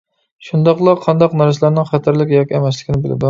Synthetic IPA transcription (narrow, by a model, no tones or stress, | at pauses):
ʃund̪ɑqlˠɑqʰɑnd̪ɑqnɑɾs̬lˠæɾnɪŋχæt̪ʰæɾlɪkʲjɑkʲiɛmɛslɪ̥kʲinɪbɪlɪ̰d̪